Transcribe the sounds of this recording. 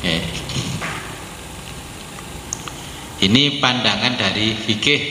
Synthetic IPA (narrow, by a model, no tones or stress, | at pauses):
ke | inipandaŋanda̤ɾifikɪ